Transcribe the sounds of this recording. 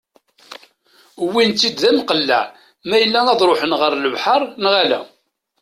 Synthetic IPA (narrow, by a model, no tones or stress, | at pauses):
wːint̪ːid̪ðæmqəlːæ̰ʕ | mæjəlːænɑðˤɾoħənʁəɾˤləvħɑɾˤnʁalæ̰